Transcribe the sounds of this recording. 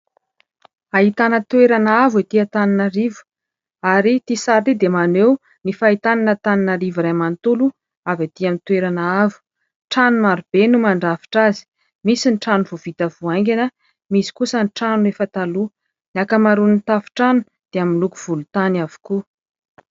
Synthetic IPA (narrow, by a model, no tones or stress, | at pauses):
aɦit̪anət̪weɾanəavet̪iat̪aninəɾivu̥ | aɾit̪isaɾid̪emanew | nifait̪ananət̪aninəɾiviɾamant̪ulu | avat̪iamint̪weɾanaavu̥ | ʈ͡ʂanumaɾub̥enumaɳɖ͡ʐafi̥ʈ͡ʂazi̥ | misinʈ͡ʂanuvuv̥it̪əvuajŋɡʲanə | misi̥kusənʈ͡ʂanuefət̪alu | nakəmaɾunt̪afi̥ʈ͡ʂanu̥ | d̪̥eaminluku̥v̥ulut̪anavu̥ku